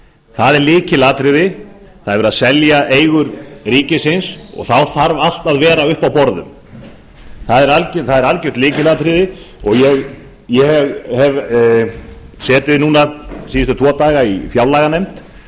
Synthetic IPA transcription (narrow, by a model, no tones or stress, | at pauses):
θaðɛɾlɪːcɪlaːt̪ɾɪðɪθaðɾvɛɾaðsɛljaʔeːjɣʏɾriːcɪsɪnsɔ̰ɣθawθaɾval̥t̪aðvɛːɾaʏhpawpɔɾðʏ̰m | θaðɛɾalcθaðɛɾalcʏht̪lɪːcɪlaːt̪ɾɪðɪɔɣjɛɣ | jɛhɛvhɛv | sɛːt̪ʏnuːnasiːʏst̪ʏt̪ʰvɔːt̪aːɣaifjawlaːɣanɛjm̥t̪